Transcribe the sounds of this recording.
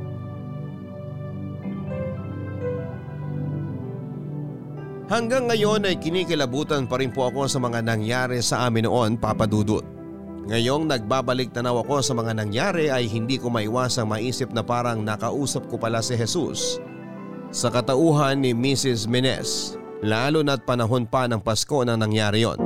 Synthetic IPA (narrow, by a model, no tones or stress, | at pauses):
hɐŋɡaŋːɐjo̞nɐjkɪnikɐlɐbuːt̪ɐnpɐɾɪnpoʔɐko̞sɐmɐŋanɐŋjaːɾɛsɐʔaːmɪno̞ʔo̞npapɐd̪uːd̪ʊt̪̚ | ŋɐjo̞ŋnɐɡ̚baːbɐlɪk̚t̪ɐnawɐko̞sɐmɐŋanɐŋjaːɾɛʔɐjɦɪnd̪iːkomɐʔɪwaːsɐŋmɐʔiːsɪp̚nɐpaːɾɐŋnɐkɐʔuːsɐp̚kopɐlasɪɦɛsṵs | ɐkɐt̪ɐʔuːɦɐnːɪmisɪs̬mɛnɛ̰s | laːlonɐt̪̚pɐnɐɦo̞npɐnɐŋpɐsko̞nɐŋnɐŋjaːɾɪjo̰n